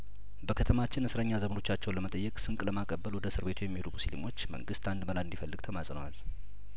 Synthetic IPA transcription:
bəkʰət̪ʰəmat͡ʃːɪnɨsɾəɲːazəməno̞t͡ʃːat͡ʃːɛwnləmət̪ʼəjːɛkʼsɨŋkʼləmakʼəbːəlwɔd̪əsɨɾβe̞t̪ʰujɛmːihlumusilḭmo̞t͡ʃːmə̰ŋɡɨst̪ʰand̪məlaɨnd̪ifəlːɨɡ̥t̪ʰəmasʼnəwa̰l

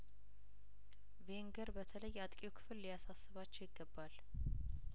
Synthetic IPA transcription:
veŋɡəɾbət̪ʰələjːat̪ʼkʼjukʰɨ̥fɨlːijasasːɨβat͡ʃːɛwjɪɡːəbːal

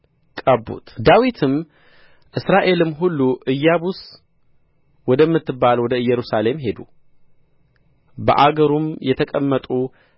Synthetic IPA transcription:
kʼəbːṵt̪d̪awit̪ʰɨm | ʔɨsɾaʔe̞lɨmɦulːuʔɨjːabus | wɔd̪əmːɨt̪ːɨbːalwɔd̪əɨjːɛɾusale̞mɦe̞d̪u | bə̰ʔaɡəɾumjɛt̪ʰəkʼəmːət̪ʼu

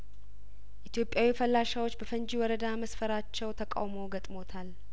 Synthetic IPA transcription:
ʔit̪ʰjo̞pʼjawifəlːaʃawo̞t͡ʃːbəfənd͡ʒiwɔɾəd̪aməsfəɾat͡ʃːɛwt̪ʰəkʼa̰wmo̞ɡət̪ʼmo̞t̪ʰal

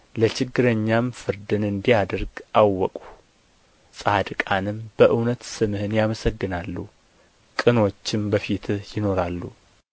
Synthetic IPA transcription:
lət͡ʃɪɡːɨɾəɲːamfɨɾd̪ɨnɨnd̪ijad̪əɾɡʔawːɔkʼu̥ | sʼad̪kʼanɨmb̥əʔɨwnət̪sɨmɨhɨnjaməsəɡːɨnalːu | kʼɨno̞t͡ʃːɪmbəfit̪ʰjɪno̞ɾalːu

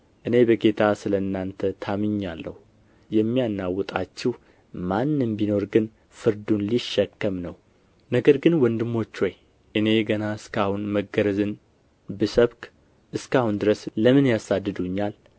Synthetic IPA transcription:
ʔɨne̞bəɡe̞t̪ʰasɨləɨnːant̪ʰət̪ʰamɨɲːalːə̰hu | jɛmːijanːawɔt̪ʼat͡ʃːɪh | manːɨmbino̞ɾɡɨn | fɨɾd̪unliʃːɛkːəmnəw | nəɡəɾɡɨnwɔnd̪ɨmːo̞t͡ʃːoj | ʔɨne̞ɡənaɨskʰahunməɡəɾəzɨn | bɨsəβkʼ | ʔɨskahund̪ɨɾəsləmɨnjasad̪ːɨd̪uɲːal

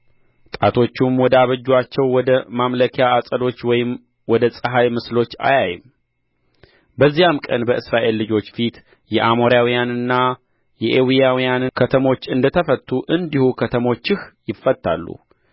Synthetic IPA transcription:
t̪ʼat̪ʰo̞t͡ʃːumwɔd̪aβəd͡ʒːwat͡ʃːɛwːɔd̪əmamləkʰijaːsʼəd̪o̞t͡ʃːwɔjɪm | wɔd̪əsʼɨɦajmɨslo̞t͡ʃːa̰jajɪm | bəzːijamkʼənbəʔɨsɾaʔe̞lːɨd͡ʒo̞t͡ʃːfit̪ | jɛʔamoɾjawijanɨnːa | jɛʔewijawijanɨkʰət̪ʰəmo̞t͡ʃːɨnd̪ət̪ʰəfət̪ʼːuʔɨnd̪ihukʰət̪ʰəmo̞t͡ʃːɪhjɪfːət̪ːa̰lːṵ

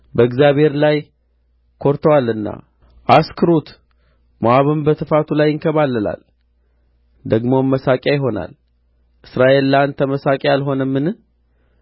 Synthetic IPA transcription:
bəɨɡzjaβhe̞ɾlaj | kʰo̞ɾt̪ʰəwalɨnːa̰ | ʔaskʰɨɾut̪ | mowaβɨmbət̪ʰɨfat̪ʰulajːɪŋkʰəβalːəla̰l | d̪əɡmo̞mːəsakʼjajɪɦo̞na̰l | ʔɨsɾaʔe̞lːant̪ʰəməsakʼjalɦo̞nəmːɨnɨ

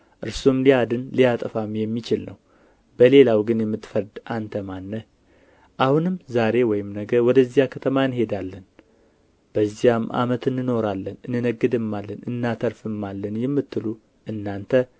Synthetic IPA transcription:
ʔɨɾsomliad̪ɨnlijat̪ʼəfamjɛmːit͡ʃɪlnə̰w | b̥əle̞lawɡɨnjɛmːɨt̪ːfəɾd̪ʔant̪ʰəmanːə | ʔahunɨmzaɾe̞wɔjɪmnəɡəwɔd̪əzːijakʰət̪ʰəmaɨnhe̞d̪alːən | b̥əzːijamʔa̰mət̪ɨnːɨno̞ɾalːənɨnːɨnəɡːɨd̪ɨmːalːənɨnːat̪ʰəɾfɨmːalːənjɛmːɨt̪ːɨlu | ʔɨnːant̪ʰə

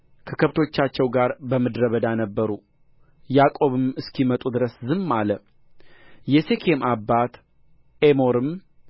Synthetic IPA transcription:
kʰəkʰəβt̪ʰo̞t͡ʃːat͡ʃːɛwɡaɾbəmɨd̪ɾəβəd̪anəbːəɾu | jakʼo̞βɨmɨskʰimət̪ʼud̪ɨɾəszɨmːalə | jɛsekʰemabːat̪ | emo̞ɾɨm

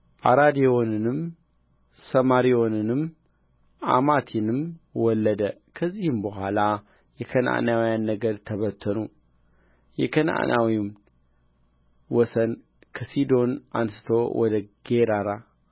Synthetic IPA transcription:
ʔaɾad̪eo̞nɨnɨm | səmaɾijo̞nɨnɨm | ʔa̰mat̪ʰinɨmwɔlːəd̪əkʰəzːihɨmbəɦʷala | jɛkʰəna̰ʔnawjanːəɡəd̪t̪ʰəβət̪ʰːənu | jɛkʰəna̰ʔnʔawim | wɔsən | kʰəsid̪onʔansɨ̥t̪ʰo̞wʔɔd̪əɡ̥eɾaɾa

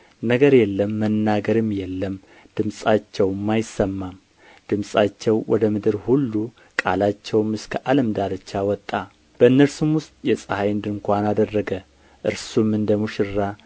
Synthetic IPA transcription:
nəɡəɾjɛlːəmːənːaɡəɾɨmjɛlːəm | d̪̥ɨmsʼat͡ʃːɛwmːajɪsəmːam | d̪̥ɨmsʼat͡ʃːɛwwɔ̰d̪əmɨd̪ɨɾhulːu | kʼalat͡ʃːɛwmɨskʰəʔaləmd̪aɾət͡ʃːawɔt̪ʼːa | b̥əɨnːəɾsɨmwʊst̪ʼjɛsʼəhajɨnd̪ɨɨŋkʷanad̪ərːəɡə | ʔɨɾsumɨnd̪əmuʃɪrːa

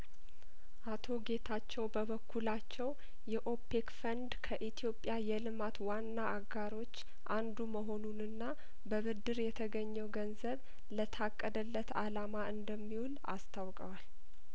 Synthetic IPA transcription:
ʔat̪ʰo̞ɡe̞t̪ʰat͡ʃːɛwbəβəkʰːulat͡ʃːɛw | jɛʔo̞pːekfənd̪kʰəʔit̪ʰijo̞pʼːjajɛlɨmat̪wanːaʔːɡːaɾo̞t͡ʃː | ʔand̪uməɦo̞nunɨnːa | bəβɨd̪ːɨɾjɛt̪ʰəɡəɲːɛwɡənzəβ | lət̪ʰakʼːəd̪əlːət̪alamaʔɨnd̪əmːiwula̰st̪ʰawkʼəwal

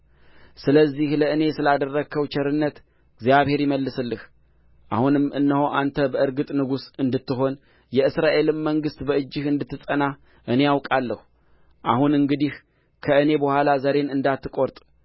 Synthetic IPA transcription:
sɨləzːihləɨne̞sɨlad̪ərːəkʰːəwt͡ʃʰɛɾɨnːət̪ | ɨɡzijaβhe̞ɾjɪməlːɨsɨlːɨh | ʔa̰hunɨmʔɨ̰nːəho̞ʔant̪ʰəbəʔɨɾɡɨt̪ʼnɨɡusɨnd̪ɨt̪ːɨɦo̞n | jɛɨsɾaʔe̞lɨmːəŋɡɨst̪bəɨd͡ʒːɨhɨnd̪ɨt̪ʰːɨsʼəna | ʔɨne̞jawkʼalːəhu | ʔahunɨŋɡɨd̪ih | kʰəɨne̞bəhʷalazəɾe̞nɨnd̪at̪ːɨkʼo̞ɾt̪ʼ

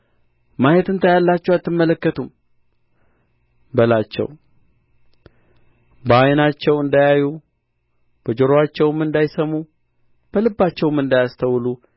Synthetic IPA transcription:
majɛt̪ɨnt̪ʰəjalːat͡ʃːɛwat̪ːɨmːələkːət̪ʰum | bəlat͡ʃːɛ̰w | bəajnat͡ʃːɛwɨnd̪ajaju | b̥əd͡ʒoɾoat͡ʃːɛwmɨnd̪ajsəmːu | b̥əlɨbːat͡ʃːɛwmɨnd̪ajast̪ʰəwlu

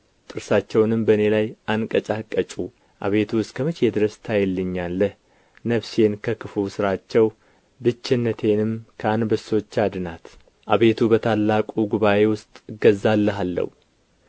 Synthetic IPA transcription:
t̪ʼɨɾsat͡ʃːɛwnɨmbəne̞lajʔankʼət͡ʃʼakʼːət͡ʃʼu | ʔa̰βe̞t̪ʰuɨst̪kʰəmɨt͡ʃjɛd̪ɨɾəst̪ʰajɛlːɨɲːalːəh | nəβse̞nkʰəkʰɨfusɨɾat͡ʃːɛw | bɨt͡ʃːɪnːət̪ʰe̞nɨmkʰəanbəso̞t͡ʃːad̪ɨnat̪ | ʔaβe̞t̪ʰubət̪ʰalːakʼuɡuβaʔe̞wʊst̪ʼɡəzːalːəɦalːə̰wu

